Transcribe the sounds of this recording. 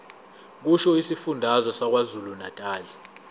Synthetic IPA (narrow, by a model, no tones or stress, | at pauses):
k̬uʃɔisifundʱazɔsak̬wazulunatʼaːli